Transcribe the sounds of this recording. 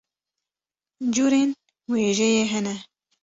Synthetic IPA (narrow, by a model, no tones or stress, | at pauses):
d͡ʒuːɾeːn | weːʒɛjeːɦɛnɛ